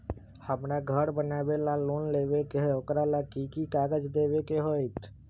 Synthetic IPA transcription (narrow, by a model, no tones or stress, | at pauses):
həmɾaɡʱəɾbənaːbelaloːnleːʋekeɦokɾalakiːkikaːɡəd͡ʒd̪eːʋekeɦoit̪ʰ